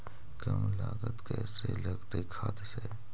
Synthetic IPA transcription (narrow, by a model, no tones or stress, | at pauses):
kəmlaːɡət̪kɛːsḛlɐɡt̪ekʰaːt̪seː